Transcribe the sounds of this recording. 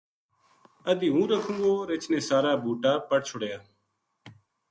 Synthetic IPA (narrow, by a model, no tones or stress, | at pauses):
əd̪iːɦũːɾəkʰũːɡoːɾet͡ʃʰneːsaːɾaːbʱuːʈaːpəɽt͡ʃʰʊɽjaː